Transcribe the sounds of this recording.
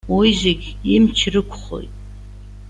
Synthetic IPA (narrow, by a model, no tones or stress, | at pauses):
wijzɪɡʲimt͡ʃʰrɨkʷʰʼχo̰jtʼ